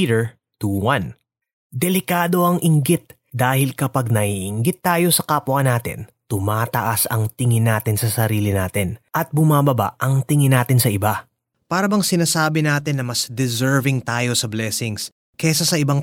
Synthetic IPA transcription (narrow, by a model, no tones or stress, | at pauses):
ɾɛɹ | t̪uːwɐn | d̪ɛlɪkaːd̪o̞ʔɐŋʔɪŋɡɪt̪̚ | d̪aːhɪlkɐpɐɡ̚nɐiʔɪŋɡɪt̪ːaːjo̞sɐkaːpwɐnaːt̪ɪ̰nt̪ʊmaːt̪ɐ̰ʔasɐŋt̪ɪŋɪnaːt̪ɪnsɐsɐɾiːlɪnaːt̪ɪnʔɐt̪̚bʊmaːbɐba̰ʔʔɐŋt̪ɪŋɪnaːt̪ɪnsɐʔɪba | paːɾɐbɐŋsɪnaːsaːbɪnaːt̪ɪnːɐmɐsd̪ɛzɛɹvɪŋt̪aːjo̞sɐblɛːsɪŋs | kɛsɐsɐʔɪbaŋ